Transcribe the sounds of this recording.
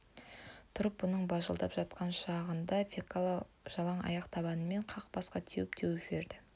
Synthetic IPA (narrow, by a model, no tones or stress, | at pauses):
t̪ʰʊɾəp̚bʊnəɴbɑʒəlˠd̪ɑ̰pʒɑt̪̚qɑnʃɑʁənd̪ɑfekʰalˠ | ʒ̥ɑlˠɑɴɑ̰jɑqt̪ʰɑβɑnəme̞ɴqʰɑq̚bɑsqɑt̪ʰewɪp̚t̪ʰewʒbe̞ɾd̪ɪ